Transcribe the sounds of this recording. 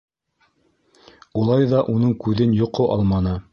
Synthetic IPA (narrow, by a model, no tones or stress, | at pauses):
ulˠɑjðɑʔunɤɴkʉðɘnjŏqoʔɑlˠmɑnɤ